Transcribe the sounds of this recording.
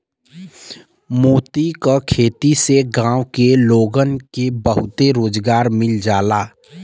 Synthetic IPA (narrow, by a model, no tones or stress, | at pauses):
moːt̪ikakʰeːt̪iseɡãːwkeloːɡənkebəɦʊt̪eɾoːd͡ʒɡaːɾmɪld͡ʒaːlaː